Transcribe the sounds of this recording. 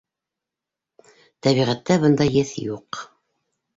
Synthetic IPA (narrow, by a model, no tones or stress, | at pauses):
t̪æβiʁæt̪ːæbɤnd̪ɑjɘθjuq